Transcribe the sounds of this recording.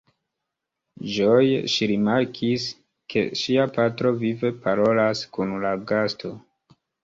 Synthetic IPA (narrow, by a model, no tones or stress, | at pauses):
ʒojʃiɾimaɾkʰis | ke̞̰ʃiapatɾo̞vive̞paɾo̞laskunlaɡasto̞